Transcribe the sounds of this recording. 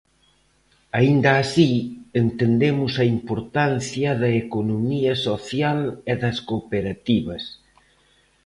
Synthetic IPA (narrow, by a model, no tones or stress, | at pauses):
aind̪ɐːsient̪end̪emʊsɐimpoɾt̪an̟θjɐðɐekonomiɐsoθjaleðɐskopeɾat̪iβɐs